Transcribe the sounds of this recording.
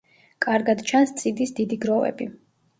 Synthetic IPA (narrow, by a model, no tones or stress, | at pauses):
kʼaɾɡad̪t͡ʃʰanst̪sʼid̪isd̪id̪iɡɾɔvɛ̰bi